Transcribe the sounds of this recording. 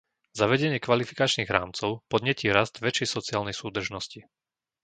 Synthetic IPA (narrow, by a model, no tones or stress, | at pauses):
zaʋɛɟɛɲɪɛkʋalifikat͡ʃniːɣɾa̰ːmt͡sɔʊpɔd̪ɲɛciːɾazd̪ʋɛt͡ʃɛjsɔt͡siaːlnɛjsuːd̪r̩ʒnɔsci